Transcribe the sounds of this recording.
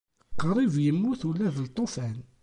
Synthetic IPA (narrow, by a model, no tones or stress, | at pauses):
qːɾˤivjəmːuθulːæðəlt̪ˤːofæn